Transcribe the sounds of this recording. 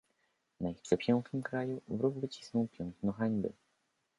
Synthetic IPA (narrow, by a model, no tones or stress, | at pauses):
naixpʂɛpʲjɛŋknɘmkɾajuvɾuɡvɘt͡ɕi̥snɔ̃w̃pʲjɛŋknɔ̃xaɲʲbɘ̰